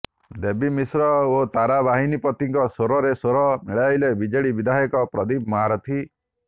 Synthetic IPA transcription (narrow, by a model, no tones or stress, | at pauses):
d̪ebimisɾɔot̪aɾabaɦinipɔt̪iŋkɔsoɾɔɾesoɾɔmiɭajlebid͡ʒeɭibid̪ʱaɦjɔkɔpɾɔd̪ibmɔɦaɾɔt̪ʰi